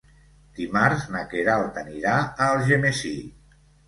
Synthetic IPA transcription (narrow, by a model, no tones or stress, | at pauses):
d̪̥imaɾznakeɾalˠt̪aniɾaəlˠʒemesi